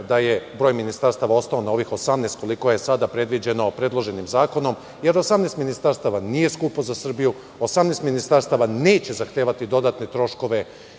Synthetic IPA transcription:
d̪aje̞bɾo̞ːjminist̪aɾst̪aʋao̞st̪ao̞nao̞ʋixo̞samnest̪ko̞liko̞je̞sad̪apɾe̞d̪ʋid͡ʑe̞no̞pɾe̞d̪lˠo̞ʒe̞nimzaːko̞no̞m | je̞ɾo̞samneːst̪minist̪aɾst̪aʋanije̞skupozasr̩biju | osamnest̪minist̪aɾst̪aʋaneːt͡ɕe̞zaxt̪eːʋat̪id̪o̞d̪aːt̪net̪ɾo̞ʃko̞ʋe̞

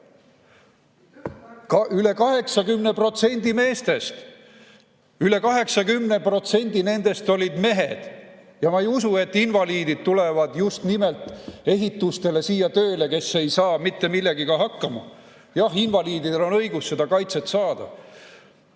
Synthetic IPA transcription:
kyle̞kɑɦe̞ksɑkymne̞pro̞t̪se̞nʲd̪̥ime̞ːst̪e̞st̪ | yle̞kɑɦe̞ksɑkymne̞pro̞t̪se̞nʲd̪̥ine̞nd̪̥e̞st̪o̞lʲid̪̥me̞ɦe̞d̪̥ | jɑmɑejusue̞t̪ˑːinvɑliːd̪id̪̥̚t̪ule̞vɑd̪̥just̪nimelt̪ˑe̞ɦit̪ːˑust̪e̞le̞siːjɑt̪ø̞ːle̞ke̞sːe̞jsɑːmit̪ːe̞milːeɡikɑɦɑkːɑmɑ | jɑhinvɑliːd̪id̪elo̞nɤ̞jɡ̥usse̞d̪̥ɑkɑjt̪se̞t̪sɑːd̪̥ɑ̰

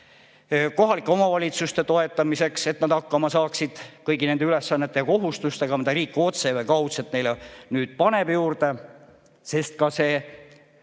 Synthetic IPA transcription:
ko̞ɦɑlikˑːeo̞mɑvɑlʲit̪sust̪e̞t̪o̞e̞t̪ːˑɑmise̞kse̞t̪nɑd̪ɑkːɑmɑsɑːksid̪̥kɤjɡine̞nd̪e̞yle̞sːɑnːet̪ːˑejɑko̞ɦust̪ust̪e̞ɡ̥ɑmid̪ɑɾiːkːˑeo̞t̪se̞vejkɑwt̪set̪ːne̞jlenyːd̪̥̚pɑne̞b̥juːɾd̪̥e̞ | se̞st̪̚kɑse̞ː

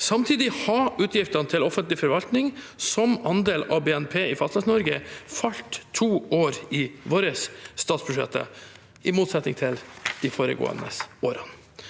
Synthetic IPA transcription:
sɑmt̪ʰiːd̪ɪhɑʉːt̪ʰjɪft̪ɑnət̪ʰɪlɔfənt̪lɪfɔɾʋɑlt̪nɪŋ | sɔmɑnd̪eːlɑ̰ʋbeːɛnpʰeːɪfɑst̪ɑsnɔɾɡəfɑlt̪ʰːuːoːɾɪʋoːɾəsst̪ɑːt̪sbʉʂɛ̰t̪ʰːə̰ | ɪmuːt̪sɛt̪nɪŋt̪ʰɪld̪̥ɪfoːɾə̰ɡo̰ːə̰nə̰soːɾɑn

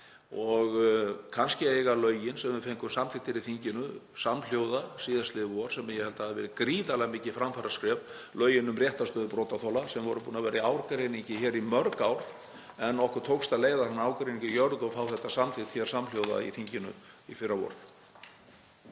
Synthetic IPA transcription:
ɔɣkʰanscɪeːjɣalœːɥjɪnsɛmvɪfejŋkʏmsamt̪ʰɪkt̪ʰːɪɾiθiɲcɪnʏsamljowðasiːðast̪lɪɔɾ̥sɛmjɛhɛlt̪ḁhaðɪvɛːɾɪkɾiːðalɛɣmɪːcɪfɾamfaɾaskɾɛv | lœːɥjɪnʏmrjɛht̪ast̪œːðʏpɾɔːt̪at̪ʰɔlasɛmvɔɾʏpuːnavɛːɾɪaːwɾkɾejniɲcɪçɛːɾimœɾkawɾ̥ | ɛnːɔhkʏɾ̥t̪ʰoːwkst̪aleːjðaɾhanːaːwkɾejniɲcɪjœɾðʏɔɣfaːwθɛht̪ːasamt̪ʰɪht̪çɛɾ̥samljoːwða̰ḭθiɲcɪnʏ̰ifɪrːawɔ̰ɾ

